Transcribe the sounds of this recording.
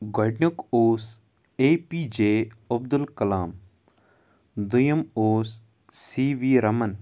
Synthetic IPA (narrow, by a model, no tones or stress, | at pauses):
ɡɐɖnukoːs | eːpiːd͡ʒeːɐb̚d̪ulkɐlaːm | d̪ujɐmoːsː | iːʋiːɾɐmɐn